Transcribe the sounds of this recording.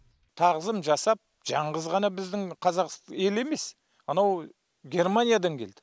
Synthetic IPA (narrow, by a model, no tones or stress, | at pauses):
t̪ʰɑʁəzəmʒɑsɑp̚ | ʒ̥ɑɴʁəzʁɑnɑbɪzd̪ɪŋqʰɑzɑqse̞le̞me̞s | ɑnɑw | ɡʲe̞rmanʲijad̪ɑŋkʲʰe̞ld̪̥ɪ